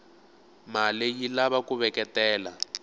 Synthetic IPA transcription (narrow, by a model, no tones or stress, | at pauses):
malejilaβakuβɛkɛtɛːla